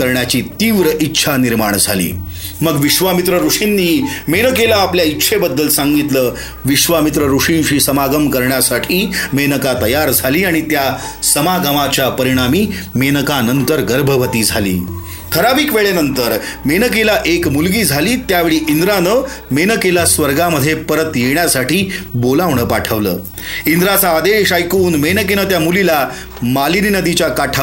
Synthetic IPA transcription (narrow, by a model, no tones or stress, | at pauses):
əɾɳjat͡ɕiːt̪iːʋɾəʔitːɕʰaniɾmaɳ̃d͡zʱa̰lḭː | məɡʋiʂʋamit̪ɾəɾuʂinːiːmenəkelaːpljaitːɕʰebəd̪ːəlsaŋɡit̪ləː | ʋiʂʋamit̪ɾəɾuʂiɳɕiːsəmaɡəmkəɾɳjasaʈʰiːmenəkat̪əjaɾd͡zʱaliːaɽ̃it̪ja | səmaɡəmat͡ɕjapəɾiɽ̃amiːmenəkanənt̪əɾɡəɾbʱəʋət̪iːd͡zʱalḭː | kʰəɾabiːkʋeɭenənt̪əɾmenəkelaʔekmulɡiːd͡zʱaliːt̪jaʋeɭiːʔind̪ɾanə | menəkelasʋəɾɡaməd̪ʱːjepəɾət̪jeɳjasaʈiːbolaʋɳəpaʈʰəʋləː | ind̪ɾat͡saːd̪eɕajkuːnmenəkenət̪jamulila | maliɾinəd̪it͡ɕjakaʈʰa